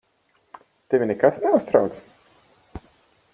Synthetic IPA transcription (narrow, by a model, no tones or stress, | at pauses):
t̪evʲinɛkasnɛust̪ɾawt̪s